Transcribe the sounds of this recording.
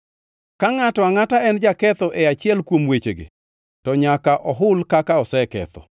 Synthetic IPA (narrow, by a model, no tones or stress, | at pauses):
kaŋatɔaŋataɛnd͡ʒakɛt̪ɔʔeat͡ʃɪɛlkwomwet͡ʃeɡḛ | tɔɲakaʔɔɦʊlkakaɔsɛkɛ̰t̪ɔ̰